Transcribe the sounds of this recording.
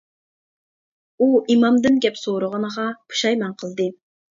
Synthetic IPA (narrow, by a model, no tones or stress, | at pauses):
uimɑmd̪ɨnɡʲɛpsoɾʊʁənəʁɑpʰu̥ʃɑjmɛnqʰəlˠd̪ɨ